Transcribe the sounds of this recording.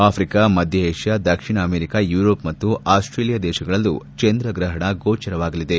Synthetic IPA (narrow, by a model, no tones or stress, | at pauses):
aːpʰɾikamɐd̪ʱjɐeːʂjad̪ɐkʂiɳɐːmeːɾikajuːɾoːpmɐt̪ːuʔaːsʈɾeːlijad̪ɛːʃɐɡɐɭɐlːut͡ʃend̪ɾɐɡɾɐɦɐɳɐɡoːt͡ʃɐɾɐʋaːɡɐlid̪e̞